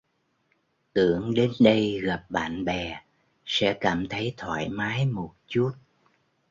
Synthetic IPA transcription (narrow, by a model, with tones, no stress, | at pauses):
t̪ɨ˧˨əŋɗe˨˦nɗə˧jɣa˨˩p̚ɓa̰ː˧˨nɓɛ˨˩ | sɛ̰˧˥kaː˧˩mt̪ʰə˨˦jt̪ʰwa̰ː˧˨jmaː˨˦jmo˨˩t̚t͡ɕu˦˥t̚